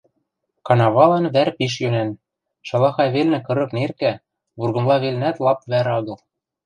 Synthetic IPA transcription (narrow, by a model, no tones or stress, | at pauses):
kɑnɑβɑlɑnβæɾpiʃ̬jønæn | ʃɑ̆lˠɑxɑjβelnɘ̆kɤ̆ɾɤ̆knerkæ | βurɣɤ̆mlˠɑβelnæt̪lˠɑpβæɾɑɣɤ̆lˠ